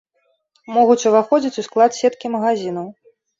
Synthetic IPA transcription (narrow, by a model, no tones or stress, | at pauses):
mɔɣut͡sʲuvaxɔd͡zʲit͡sʲusklˠat̪sʲɛt̪kʲimɐɣazʲinɐw